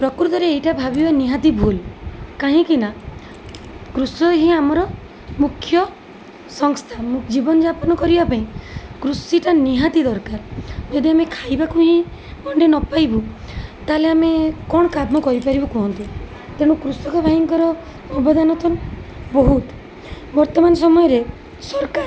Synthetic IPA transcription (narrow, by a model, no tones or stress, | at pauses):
pɾɔkuɾut̪ɔɾeːjʈabʱabibaniɦad̪ibʱulkaɦĩkina | kɾusɔɦĩamɔɾɔ | mukʰjɔ | sɔŋst̪ʰamũd͡ʒibɔnɔd͡ʒapɔnɔkɔɾibapaĩkɾusiʈaniɦat̪id̪ɔɾkaɾd͡ʒed̪iamekʰajbakuɦĩ | mɔɳɖenɔpajbu | t̪aleamekɔɽ̃ɔkad̪mɔkɔɾipaɾibɔkuɦɔnt̪i | t̪eɽ̃ukɾusɔkɔbʱaɦiŋkɔɾɔ | mɔbɔd̪anɔt̪ɔnbɔɦut̪ | bɔɾt̪ɔmanɔs̬ɔmɔjɔɾe | sɔɾka